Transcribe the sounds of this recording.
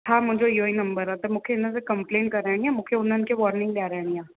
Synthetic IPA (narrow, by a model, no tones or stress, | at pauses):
t̪ʰamʊ̃d͡ʒoioːinɐ̃mbəɾat̪ɐmʊ̃kʰeɪnẽsekɐ̃mpleːnʈkɐɾɛːɽĩãmʊ̃ːkʰeʊnːẽnkeʋɔːɾnɪ̃ŋɡlaːɾɛːɽijãː